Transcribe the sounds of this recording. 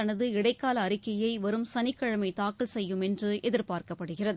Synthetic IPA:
ɐnɐðɯɪɽɐɪkːaːlɐːɾɪkːɐjɐɪʋɐɾɯmsɐnɪkːɐɻɐmɐɪt̪aːkɐlsɛjːɯmɛndrɯʔɛðɪɾpaːrkɐpːɐɽɯɣɪrɐðɯ

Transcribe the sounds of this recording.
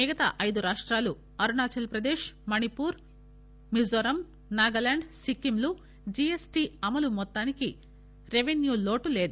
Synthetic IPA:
iːɡɐt̪ɐ̰ʔɐjd̪uɾaːʂʈɾaːlu | ɐɾunaːt͡ʃɐlpɾɐd̪eːʃmɐnipuːɾ | mizɐɾɐm | naːɡɐlɐɳɖsikːimlu | d͡ʒiesʈiːɐmɐlumɔt̪ːaːniki | ɾeʋenjuːlo̞ːʈule̞ːd̪u

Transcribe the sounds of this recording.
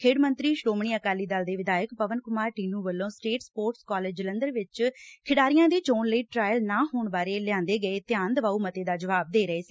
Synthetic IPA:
kʰeːɽmənt̪ɾiːʃɾoːmɳ̃iːəkaːlːiːd̪aːld̪eːʋɪd̪aːjəkpəʋənkʊmaːɾʈiːnuːʋəlːõːsʈeːʈspoːɾʈskaːleːd͡ʒd͡ʒələnd̪əɾʋɪt͡ʃkʰɪɽaːɾɪjãːd̪eːt͡ʃoːnləiːʈɾaːjəlnaːɦoːɳbaːɾeːlɪãːnd̪eːɡəeːt̪ɪjaːnd̪əʋaːuːmət̪eːd̪aːd͡ʒəʋaːb̚d̪eːɾəeːsiː

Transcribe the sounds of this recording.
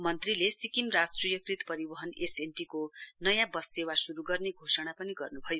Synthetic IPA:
mʌnt̪rilesikimrasʈrijʌkrit̪pʌɾibʌɦʌnesenʈikonʌjãbʌsewasuɾuɡʌrneɡʱosʌɽ̃apʌniɡʌrnubʱʌjo

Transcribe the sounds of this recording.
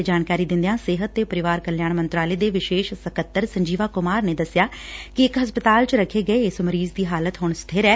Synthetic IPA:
d͡ʒaːnkaːɾiːd̪ɪ̃nd̪ejãːsɪɦət̪ːeːpəɾɪʋaːɾkəljaːɳmənt̪ɾaːleːd̪eːʋɪʃeːʃsəkət̪ːəɾsəɲd͡ʒiːʋaːkʊmaːɾneːd̪əsɪjaːkɪɪkɦəspət̪aːlt͡ʃəɾəkʰːeːɡəeːɪsməɾiːzd̪iːɦaːlət̪ɦʊɳst̪ʰeːɾɛː

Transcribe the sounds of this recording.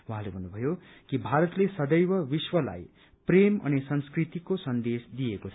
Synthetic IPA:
wɦãlebʱʌnːubʱʌjo | kibʱaɾʌt̪lesʌd̪ʌjbʌbiswʌla̰j | premʌ̰nisʌnskrit̪ikosʌnd̪esd̪ijekot͡sʰʌ

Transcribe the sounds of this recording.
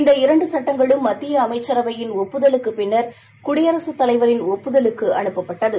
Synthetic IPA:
ɪnd̪ɐɪɾɐɳɖɯsɐʈːɐŋɡɐɭɯmːɐt̪ːɪjɐːmɐɪt͡ʃːɐɾɐʋɐjɪnɔpːɯðɐlɯkːɯpɪnːɐɾ | kʊɽɪjɐɾɐsɯt̪ːɐlɐɪʋɐɾɪnɔpːɯðɐlɯkːɯʔɐɳɯpːɐpːɐʈːɐðɯ

